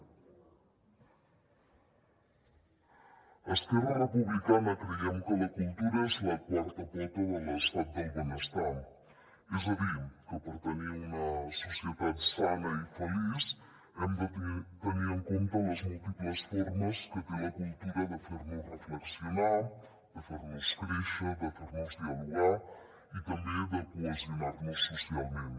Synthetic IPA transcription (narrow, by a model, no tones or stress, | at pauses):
ɐsp̪eɾaɾɐpuβlikanɐkɾiaŋkolɐkulˠt̪uɾɐseɐkwaɾt̪ɐpɛt̪ɐðəlɐst̪at̪̚d̪ɐjβɐnɐst̪a | izɐβikopoɾt̪ɐneunɐsusjet̪aðsanɐifɐliz | ɛmd̪ɐt̪t̪ɐniɾeŋkõnt̪ɐnɐzmulˠt̪iplˠɐsfɔɾmɐskət̪ej̃ɐkulˠt̪uɾɐðɐfɔɾmɐrəflɐksjonal | d̪ɐfɔɾmɐskɾiʃɐd̪ɐfɔɾmɐzd̪iɐluɡa | it̪ɐmbẽd̪ɐkuɐzunaɾnɐsusialˠmẽn